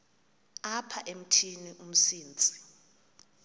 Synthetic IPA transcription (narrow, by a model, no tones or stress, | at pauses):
apʰaʔem̩tʰiniʔum̩siːnt͡sʼi̥